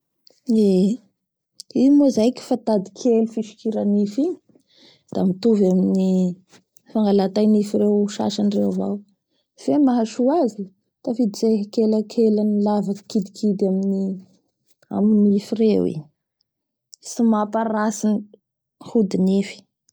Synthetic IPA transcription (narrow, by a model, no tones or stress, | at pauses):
e | imuzajki̥fat̪ad̪i̥kʰelufiʃi̥kiɾanifiɲ | d̪̥amit̪uvamini | faŋɡalat̪ajnifiɾewʃa̰ʃanrewava̰w | femaɦaʃuazi | t̪afid̪it͡seɦkelakʰelanilavakkid̪ikʰid̪amini | a̰minifirewḭ | simapaɾasini | hud̪inifi̥